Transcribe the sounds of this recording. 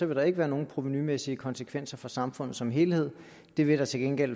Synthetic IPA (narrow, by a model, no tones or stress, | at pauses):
ɒ̽ʋe̝ɾ̥ɑ̈e̝ɡ̥əʋæːɐno̝ːn̩pʰʁo̝ʋenymesiəkʰɒ̽nsəkʰʋen̰sɐfɒsɑ̈mfɔ̽nð̩ˠsɒ̽mɦe̝ːlhe̝ð̞̰ˠ | d̥e̝ʋe̝ɾ̥ɑ̈t͡sʰe̝lɡ̥enɡ̥el̰